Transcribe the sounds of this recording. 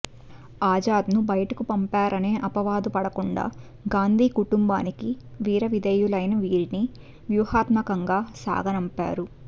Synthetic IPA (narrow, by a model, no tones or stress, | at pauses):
aːd͡ʒaːd̪nubɐjɐʈɐkupɐmpaːɾɐne̞ːʔɐpɐʋaːd̪upɐɽɐkuɳɖa̰ː | ɡaːnd̪ʱiːkuʈumba̰ːniki | ʋiːɾɐʋid̪ɐjulɐjnɐʋiːɾini | ʋjuːhaːt̪mɐkɐŋɡaːsa̰ːɡɐnɐmpa̰ːɾu